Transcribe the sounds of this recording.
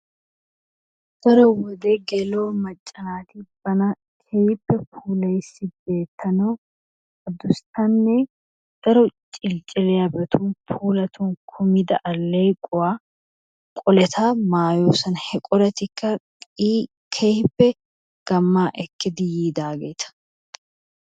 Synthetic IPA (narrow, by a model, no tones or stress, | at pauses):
d̪̥ɐɾɔwɔd̪eːɡɛloːmɐt͡ʃʼːɐnaːt̪ib̥ɐnɐ | kʰejɪpːɛpʰuːlɐjsːɪbeːt̪ʰːɐnoː | ɐd̪ʊst̪ɐnːɛ | d̪̥ɐɾɔt͡ʃʼɪlt͡ʃʼɪlɛjɐbɛt̪ʰunpʰuːlɐt̪ʰunkʰʊmɪd̪ɐʔɐlːejkʼʊwaː | kʼɔlɛt̪ʰaːmaːjoːsɐnhɛkʼɔɾɐt̪ɪkːɐ | i | kʰehɪpːɛ | ɡ̥ɐmːaːʔɛkːɪd̪ɪjiːd̪aːɡɛjt̪ʰɐ̥